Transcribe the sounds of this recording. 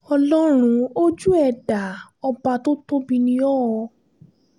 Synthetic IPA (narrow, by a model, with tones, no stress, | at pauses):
ɔ˧lɔ˦ɾ̃ũ˧o˦d͡ʒu˦ɛ˦˨da˨˦ɔ˧ba˧to˦to˦bi˧nĩ˧˦ɔ˦wɔ˧